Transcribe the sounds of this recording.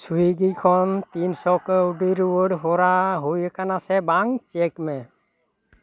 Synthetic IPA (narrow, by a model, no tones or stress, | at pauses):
suiɡikʰɔnt̪insɔkəuɖiɾwəɖɦɔɾaɦojɛkanasɛbaŋt͡ʃekmɛ